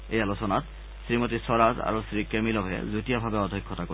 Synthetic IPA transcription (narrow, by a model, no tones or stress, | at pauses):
ejalot͡ɕonat̪ | sɾimot̪isɔɾad͡ʑa̰ɾosɾikemilobʱḛd͡ʑut̪iabʱabeɔd̪ʱikʰːot̪ako